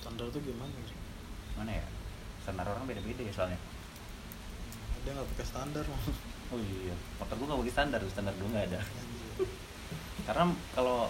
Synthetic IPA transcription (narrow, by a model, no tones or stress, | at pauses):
st̪andart̪uɡimaŋa | manaja̰st̪andaɾoɾaŋbedabedajasoalɲa | adiaŋɡapakast̪andarmaoijamɔt̪ɔrɡ̪uŋɡabaɡist̪andardust̪andarduŋɡaːda | kaɾənakalo